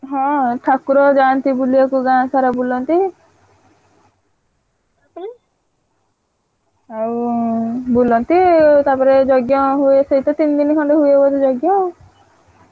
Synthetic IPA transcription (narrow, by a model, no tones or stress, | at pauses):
ɦɔ̃ʈʰakuɾɔd͡ʒant̪ibulijɔkuɡãːsaɾabulɔnt̪i | api | au | bulɔnt̪it̪apɔɾed͡ʒɔɡjɔɦuesejt̪ɔt̪ind̪inikʰɔɳɖɔɦujebɔt̪ed͡ʒɔɡjɔ